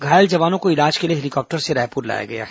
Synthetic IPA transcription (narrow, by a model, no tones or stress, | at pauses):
ɡʱaːjəld͡ʒɐʋaːnõkoɪlaːd͡ʒkelieɦɛlikɔːp̚ʈəɾseɾaːpuːɾla̰ːja̰ɡɐja̰ɦ